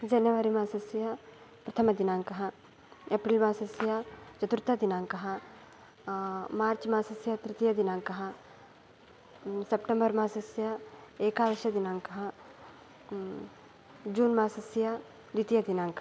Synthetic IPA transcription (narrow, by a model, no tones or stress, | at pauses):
d͡ʒɐnjɐʋaːɾimãːsɐsjɐ | pɾɐt̪ʰɐmɐd̪inaːŋkɐɦɐ | eːpɾiːlmaːsɐsjɐt͡ʃɐt̪uɾt̪ad̪inãːŋkɐɦa | maːɾt͡ʃmaːsɐsjɐt̪ɾɪt̪ijɐd̪inãːŋkɐɦa | sepʈẽmbɐɾmaːsɐsjɐeːkaːʋɐʃjɐd̪inãːŋkɐɦɐ | d͡ʒuːnmaːsɐsjɐ | d̪it̪ijɐd̪inaːŋk